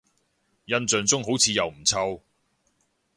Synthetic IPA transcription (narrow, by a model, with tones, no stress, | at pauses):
jɐ˧nt͡sœː˨ŋt͡sʊ˥ŋɦo˨˥wt͡sʰiː˨˧˥jɐ˨wm̩˨˩t͡sʰɐ˧w